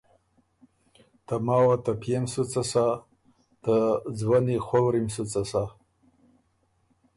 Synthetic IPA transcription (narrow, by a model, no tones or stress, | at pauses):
tʰamawat̪apʰemsut͡sʼasa | tad͡zwaniχʷowɾimsut͡sʼasa